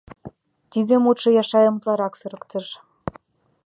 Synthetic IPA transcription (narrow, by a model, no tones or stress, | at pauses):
t̪id̪ĕmot̪ʃɤ̆jɑʃɑjɤ̆mət̪lɑɾɑksɤ̆ɾɤ̆kt̪ɤ̆ʃ